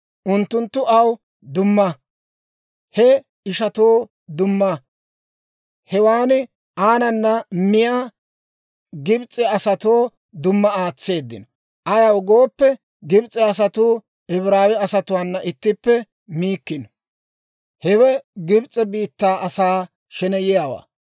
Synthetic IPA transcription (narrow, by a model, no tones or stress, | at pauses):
ʔʊnt̪ːʊnt̪ːʊʔɐw | d̪ʊmːɐ | hɛ | ɪʃɐt̪oː | d̪ʊmːɐ | hɛwaːnɪ | ʔaːnɐnːɐmɪjaː | ɡɪbt͡sʼːɛɐsɐt̪oː | d̪ʊmːɐaːt͡sːe̞ːd̪ːɪnɔ | ʔɐjɐwɡo̞ːpːɛ | ɡɪbt͡sʼːɛɐs̬ɐt̪ʊː | ɛβɾaːwɪɐsɐt̪ʊwanːɐʔɪt̪ːɪpːɛ | miːkːɪn | hɛwɛɡɪbt͡sʼːɛbiːt̪ːaːʔɐsaː | ʃɛnɛjɪjaːwa̰ː